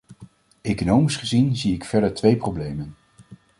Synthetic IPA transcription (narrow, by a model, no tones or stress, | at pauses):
ejkonowmisχəzinziɪkfɛɹdəɹtʋejprowblejmən